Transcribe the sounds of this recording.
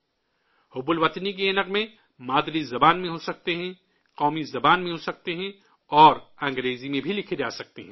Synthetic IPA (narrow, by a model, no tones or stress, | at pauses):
hʊbʊlʋɐt̪nik̬eːnɐqmẽ | maːd̪ɾizɐbaːnmẽɦosɐk̚t̪eɦɛ̃ | qɔːmizɐbaːnmẽɦosɐk̚t̪eɦɛ̃ | ɔːɾɐ̃ːŋɡɾeːzimẽbʱilɪkʰed͡ʒaːsɐk̚t̪eɦɛ̃ː